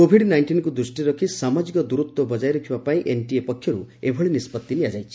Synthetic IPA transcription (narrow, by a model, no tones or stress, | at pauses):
kobʱiɖnajnʈinkud̪ɾusʈiɾɔkʰisamad͡ʒikɔd̪uɾut̪wɔbɔd͡ʒajɾɔkʰibapaĩʔenʈiepɔkʰːjɔɾuebʱɔɭinispɔt̪ːiniad͡ʒajt͡ʃʰi̥